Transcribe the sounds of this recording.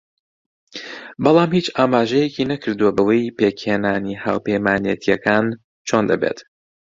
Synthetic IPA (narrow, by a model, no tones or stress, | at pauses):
bɑlˠaːmhiːt͡ʃaːmaːʒɛjecinɐkʰɨɾd̪uwɐbɐwejpekheːnaːniha̰ːwpejmaːnijɛt̪ʰijɛkaːn | t͡ʃʰo̞nd̪ɐbḛt̪